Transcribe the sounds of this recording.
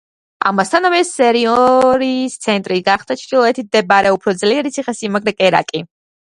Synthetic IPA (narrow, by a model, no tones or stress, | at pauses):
a̰mast̪ʰanɔmɛsɛɾiɔɾist̪sʰɛnt̪ʼɾiɡaχd̪̥at͡ʃʰd̪ilˠɔɛt̪ʰit̪̚d̪ɛbaɾɛupʰɾɔd̪zliɛɾit̪sʰiχasimaɡɾɛkʼɛɾa̰kʼi